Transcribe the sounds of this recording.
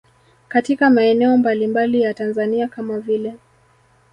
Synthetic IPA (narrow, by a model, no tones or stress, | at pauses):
katikamaɛnɛɔmbalimbalijatanzaniakamavilɛ